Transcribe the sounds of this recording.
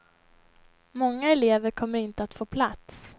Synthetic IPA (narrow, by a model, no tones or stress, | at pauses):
mɔŋːaɛleːvəɾkʰɔmːəɾɪnt̪əat̪foːpʰlat̪s